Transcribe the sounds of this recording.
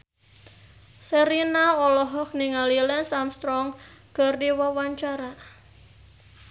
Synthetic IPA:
seɾinaɔlɔɦɔk̚niŋalilɛnsamst̪ɾɔŋkərdiwawaɲt͡ʃaɾa

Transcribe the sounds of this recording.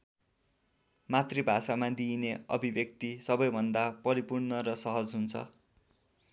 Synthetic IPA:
mat̪rebʱasamad̪ineʌ̰bʱibjʌk̚t̪isʌbʌjbʱʌnd̪apʌɾipurnʌɾʌsʌɦʌd͡zɦunt͡sʰʌ̰

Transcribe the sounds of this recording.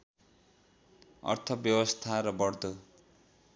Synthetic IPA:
ʌ̰rt̪ʰʌbjʌwʌst̪ʰaɾʌbʌrd̪o

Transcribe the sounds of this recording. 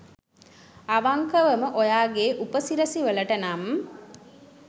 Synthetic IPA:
aʋaŋkəʋəməʔojaːɡeːʔupəsiɾəsiʋələʈənam

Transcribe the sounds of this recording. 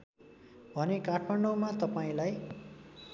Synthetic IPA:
bʱʌnekaʈʰmaɳɖomat̪ʌpaĩlaj

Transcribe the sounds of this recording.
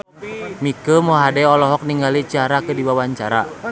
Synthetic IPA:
mikəmoɦadɛɔlɔɦɔk̚niŋɡalit͡ʃiaɾakədiwawaɲt͡ʃaɾa̰

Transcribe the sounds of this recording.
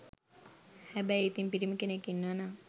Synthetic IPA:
hæbæjit̪impiɾiməkenekːinːəʋanaː

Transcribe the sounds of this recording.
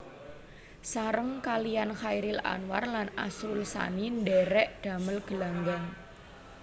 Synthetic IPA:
saɾəŋkalijanxajɾɪla̰nwa̰rlanasɾʊlsa̰nindɛɾɛʔd̥a̤məlɡ̥əlaŋɡaŋ

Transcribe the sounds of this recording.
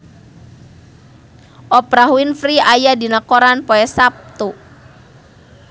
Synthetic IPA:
ʔɔpɾaɦuɪnfɾiajadi̤nakoɾanpoɛsap̚t̪u

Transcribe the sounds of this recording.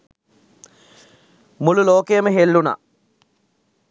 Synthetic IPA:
mululoːkejɐmeɦelːunɐ̰

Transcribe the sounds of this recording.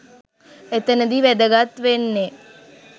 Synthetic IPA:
et̪ənəd̪iʋed̪əɡat̪ʋenːe

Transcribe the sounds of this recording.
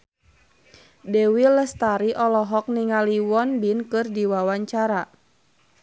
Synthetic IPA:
dɛwilɛst̪aɾiʔɔlɔɦɔk̚niŋaliwɔnbinkɨrdiwawaɲt͡ʃaɾa

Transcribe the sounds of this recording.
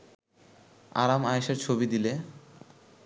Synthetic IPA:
a̰ɾamaeʃeɾt͡ɕʰobid̪ile

